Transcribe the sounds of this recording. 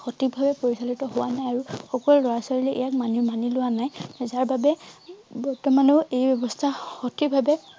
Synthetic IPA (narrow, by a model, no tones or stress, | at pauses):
xɔtikbʱabɛpoɹisalitɔɦʊwanajaɹuxɔkɔlːɔɹasɔɹilɛʔɛ̰jak̚manimanilʊwanajzaɹbabɛbɔɹtɔmanɔejbɔbɔstʰaxɔtʰikbʱabɛ